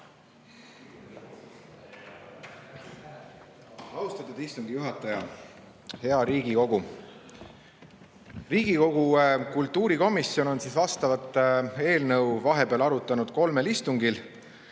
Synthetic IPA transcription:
ɑust̪ɑt̪ːud̪̥ist̪uŋɡ̥ijuɦɑt̪ˑːɑjɑ | he̞ɑɾiːɡiko̞ɡ̥u | riːɡ̥iko̞ɡ̥ukult̪ːˑuːɾiko̞misjo̞no̞nsisvɑst̪ɑvɑt̪ːˑe̞ːlnɤwvɑɦe̞peɑlɑɾut̪ːˑɑnud̪̥ko̞lme̞list̪uŋɡil

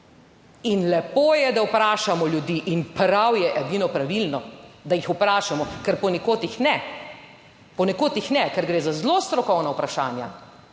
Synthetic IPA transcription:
inlɛpoːjɛd̪awpɾaːʃamɔljud̪iːʔinpɾawjɛʔɛd̪inɔpɾaʋilnɔd̪ajixupɾaːʃamɔkɛɾpɔnɛkoːt̪jixnɛ | pɔnɛkoːt̪jixnɛkɛɾɡɾeːzazlost̪ɾɔkɔwnawpɾaʃa̰ːnja̰

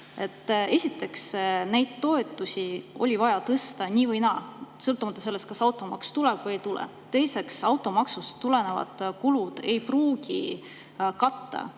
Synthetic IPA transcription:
e̞t̪ːesʲit̪ːˑe̞ksnæjd̪̥̚t̪o̞e̞t̪ːˑusʲio̞̰lʲivɑjɑt̪ɤst̪ɑnʲiːvɤjnɑsɤlt̪ːˑumɑt̪ːˑɑs̬e̞lːe̞st̪̚kɑsɑwt̪ːˑo̞mɑkst̪uleb̥vɤjejt̪ulɛ̰ | t̪e̞jse̞ksɑwt̪ːˑo̞mɑksust̪ːule̞ne̞vɑ̰d̪̥kulud̪̥e̞jpruːɡ̥ḭ | kɑt̪ːɑ̰

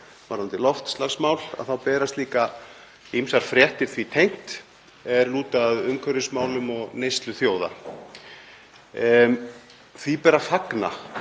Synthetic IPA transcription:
vaɾhant̪ɪlɔft̪slaɣsmawla̰ðθawpɛːɾast̪liːka | imsaɾ̥fɾjɛht̪ɪɾ̥θvit̪ʰejŋ̥t̪ | ɛɾluːt̪aːðʏmkʰœɾʏsmaːwlʏmɔɣnejst̪lʏθjoːwða̰ | θvipɛːɾafakna̰

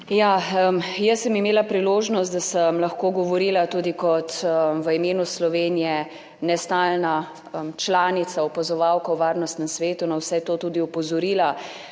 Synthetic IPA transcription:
jaəmjəsːəmimeːlapɾiloːʒnɔst̪d̪asəmlɐxkoːɡɔʋɔɾiːlat̪uːd̪ikɔt̪əʋəimeːnuslɔʋeːnijɛ | nɛst̪alna | əmt͡ʃlaːnit̪saɔpazɔʋaːwkɐwʋaːɾnɔst̪nɛmsʋeːt̪unɐwsɛt̪oːt̪uːd̪iɔpɔzɔɾiːla

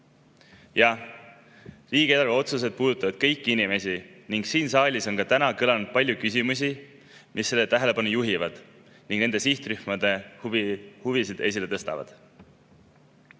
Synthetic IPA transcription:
jɑ | riːɡ̥eelɑɾvɑo̞t̪sus̬e̞d̪̥̚puːd̪ut̪ːˑɑvɑd̪̥kɤjkːˑiinime̞sʲiniŋɡ̥siːnsɑːlʲiso̞nkɑt̪ænɑkɯlɑnud̪̥̚pɑlʲjukysʲimus̬ʲi | misːe̞lːe̞t̪æɦe̞le̞pɑnujuɦivɑd̪̥ | niŋɡne̞nd̪esiht̪ryhmɑd̪̥e̞ | huvisid̪̥e̞s̬ʲile̞t̪ɤ̞st̪ɑ̰vɑ̰d̪̥

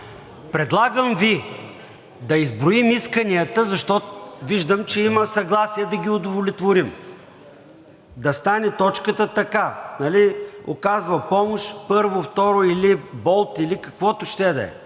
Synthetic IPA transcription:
pɾɛd̪lˠaɡəmvi | d̪ɐizbɾʊimiskɐniət̪əzɐʃt̪ɔt̪viʒd̪əmt͡ʃɛimɐsɐɡlˠasiɛd̪ɐɡʲiod̪ʊvʊlit̪voɾim | d̪ɐst̪anɛt̪ɔt͡ʃkət̪ət̪ɐkanɐlio̰kazvɐpɔmoʃpɤɾvoft̪ɔɾʊilibɔlˠt̪ilikɐkvɔt̪ʊʃt̪ɛd̪ɐ̰ɛ̰

